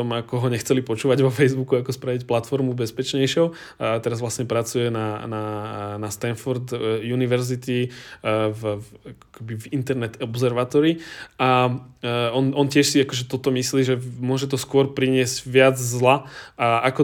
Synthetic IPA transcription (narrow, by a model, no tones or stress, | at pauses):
ɔmakɔɦɔɲɛxt͡sɛlipɔt͡ʃuːʋaɟʋɔfɛjzbukuakɔspɾaʋicplat̪fɔɾmubɛspɛt͡ʃɲɛjʃɪɔʊ | t̪ɛɾazʋlasɲɛpɾat͡sujɛnananast̪anfɔɾd̪juniʋɛɾzit̪i | vakɔ̥kɛbivint̪ɛɾnɛt̪ɔbzɛɾʋaːt̪ɔɾiʔa | ɔnʔɔncɪɛʃsiakɔʒɛt̪ɔt̪ɔmisliːʒɛmʊɔʒɛt̪ɔskʊɔɾpɾiɲɪɛzɟʋɪad͡zzlaakɔ